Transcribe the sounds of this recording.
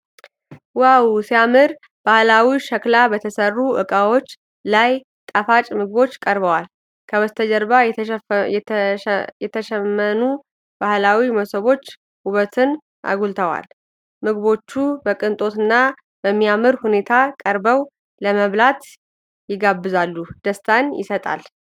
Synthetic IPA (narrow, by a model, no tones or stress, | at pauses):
wawsijamɨɾ | b̥ahlawiʃəklabət̪ʰəsərːuʔɨkʼawo̞t͡ʃː | laj | t̪ʼafat͡ʃʼmɨɡβo̞t͡ʃːkʼəɾβəwal | kʰəβəst̪ʰəd͡ʒəɾβajɛ | jɛt̪ʰəʃɛmːənu | b̥ahlawiməsəβo̞t͡ʃː | uβət̪ʰɨn | ʔa̰ɡult̪ʰəwa̰l | mɨɡβo̞t͡ʃːubəkʼɨnt̪ʼo̞t̪ɨnːa | bəmːijamɨɾhune̞t̪ʰakʼəɾbəw | ləməβlat̪ | jɪɡabːɨzalːud̪̥əst̪ʰʼanjɪ̰sət̪ʼa̰l